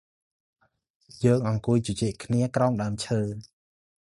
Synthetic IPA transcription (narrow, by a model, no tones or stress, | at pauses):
jəːŋʔɑŋkuəjt͡ɕot͡ɕɛːʔkʰniəkraɔŋɗaəmt͡ɕʰəː